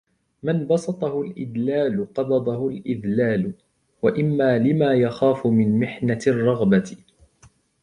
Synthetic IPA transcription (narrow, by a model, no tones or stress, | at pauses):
manbɑsˤɑt̪ˤɑhʊlʔɪ̰d̪laːlʊqɑbɑd̪ˤɑhʊlʔɪd̪laːlʊ | waʔɪmːaːlɪmaːjaxaːfʊmɪnmɪħnarˤːɑɣba